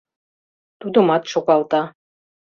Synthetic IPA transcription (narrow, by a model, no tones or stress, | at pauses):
t̪ud̪ɤ̆mɑt̪ʃokɑlˠt̪ɑ